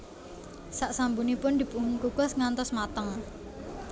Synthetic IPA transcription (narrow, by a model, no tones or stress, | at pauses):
saʔsambunipʊnd̪̥i̤b̥uŋʊŋkuɡ̥ɔ̤sŋant̪ɔsmat̪əŋ